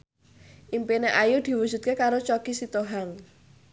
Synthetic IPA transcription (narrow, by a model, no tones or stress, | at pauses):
ʔimpineʔajud̪̥i̤wud̥ʒ̥ṳt̪̚kekaɾot͡ʃɔkisit̪oɦaŋ